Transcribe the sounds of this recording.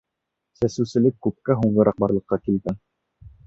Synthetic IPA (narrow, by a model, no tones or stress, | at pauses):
sæsɘ̆wsɘ̆lɘkːʉp̚kæɦuɴɢɤ̆ɾɑq̚bɑɾlˠɤ̆qːɑkilɡ̪ɘŋ